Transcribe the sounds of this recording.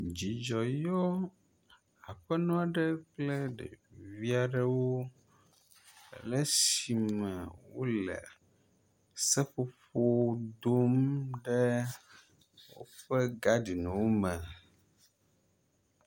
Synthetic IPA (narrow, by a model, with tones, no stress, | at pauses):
d͡ʑi˨d͡ʒɔ˨jo˦ | a˨ɸɛ˦nɔ̃˦a˨ɖɛ˦klɛ˦ɖḛ˨vi˦a˨ɖə˦wo˦˨ | lɛ˦si˨mɛ˨wo˦lɛ̰˨ | sɛ˦ɸo˦ɸo˦d̪o˦mɖɛ˦ | wo̰˦ɸɛ˦ɡa˦ɖi˨nɛ̃˨wo˦mɛ̃˨